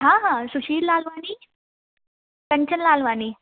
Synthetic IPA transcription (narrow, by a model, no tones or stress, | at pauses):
ɦãɦãsuɕiːɾlalʋaniː | pẽɲt͡ɕənlaːlʋaniː